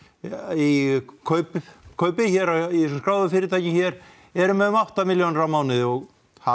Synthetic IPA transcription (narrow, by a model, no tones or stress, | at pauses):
ikʰœːɥpɪkʰœɥpɪçɛɾaisɛskɾaːwðʏfɪːɾɪɾt̪ʰajcɪçɛɾ̥ | ɛɾʏmɛðʏmawht̪amɪljownɪɾawmaːwnɪðɔɣ | ha